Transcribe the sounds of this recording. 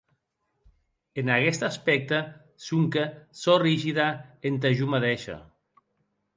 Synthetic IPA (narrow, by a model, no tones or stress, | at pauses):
enaɣɛst̪aspɛk̚t̪ə | suŋkəsoriʒiðaent̪̬aʒumaðeʃa̰